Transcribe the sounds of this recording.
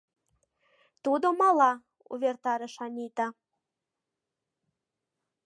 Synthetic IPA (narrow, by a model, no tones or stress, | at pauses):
t̪ud̪omɑlɑ | ṵβʲert̪ɑɾɤʃɑnʲit̪ɑ